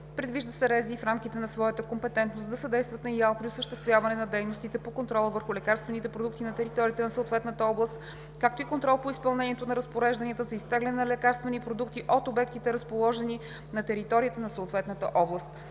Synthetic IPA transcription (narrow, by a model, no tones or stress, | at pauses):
pɾɛd̪viʒd̪əsɛɾɛzifɾamk̟it̪ɛnɐsvɔjət̪əkompɛt̪ɛnt̪nosd̪ɐsɐd̪ɛjst̪vət̪nɐialˠpɾiosəʃt̪ɛst̪vʲjavɐnɛnɐd̪ɛjnost̪it̪ɛpokont̪ɾɔlˠəvəɾxʊlɛkaɾst̪vɛnit̪ɛpɾod̪uk̚t̪inɐt̪ɛɾit̪ɔɾʲiət̪ɛnɐsot̪vɛt̪nət̪əɔblˠəst̪ | kakt̪oikont̪ɾɔlˠpoispɐlˠnɛniɛt̪onɐɾəspoɾɛʒd̪ɐniət̪əzɐist̪ɛɡlɛnɛnɐlɛkaɾst̪vɛnipɾod̪ukt̪iʔot̪obɛk̚t̪it̪ɛɾɐspolˠɔʒɛni | nɐt̪ɛɾit̪ɔɾiət̪ənɐsoːt̪vɛt̪nət̪ə̰ʔɔblˠəst̪